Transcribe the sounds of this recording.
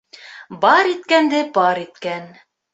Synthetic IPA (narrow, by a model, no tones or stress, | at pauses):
bɑɾit̪̚kænd̪ɘbɑɾit̪kæn